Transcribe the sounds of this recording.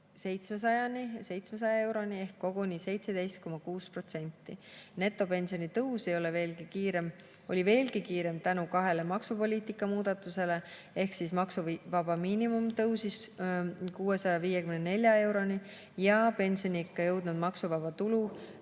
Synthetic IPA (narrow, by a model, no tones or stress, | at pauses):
se̞jt̪smesɑjɑnise̞jt̪smes̬ɑjɑe̞wɾo̞nie̞hkːo̞ɡ̥unʲise̞jt̪se̞d̪e̞jst̪̚ko̞mɑkuːspro̞t̪se̞nʲt̪ˑːine̞t̪ːˑo̞pe̞nʲsio̞nit̪ɤwse̞jo̞le̞ve̞ːlɡikiːɾe̞m | o̞lʲive̞ːlɡikiːɾe̞mt̪ænukɑɦe̞le̞mɑksupo̞lʲiːt̪ikːˑɑmuːd̪̥ɑt̪ːˑuse̞le̞ | e̞hksismɑksuvɑb̥ɑmiːnimumt̪ɤwsis | kuːe̞sɑjɑviːjekymnene̞lʲjɑe̞wɾo̞ni | jɑpe̞nʲsio̞nʲiikˑːɑjɤwd̪̥nud̪mɑksuvɑbɑt̪ulu